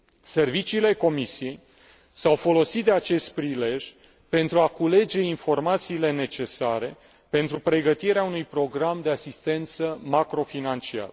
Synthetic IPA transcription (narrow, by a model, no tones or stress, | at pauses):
se̞rvit͡ʃiːle̞ko̞misije̞j | sawfo̞lo̞sit̪̚d̪e̞at͡ʃe̞st̪̚pɾile̞ʒʲ | pe̞nt̪ɾuakule̞d͡ʒe̞info̞rmat̪siːle̞ne̞t͡ʃe̞saɾe̞ | pe̞nt̪ɾupɾe̞ɡət̪iɾeaunujpɾo̞ɡɾamd̪e̞asist̪e̞nt̪səmakɾo̞finant͡ʃia̰ɾə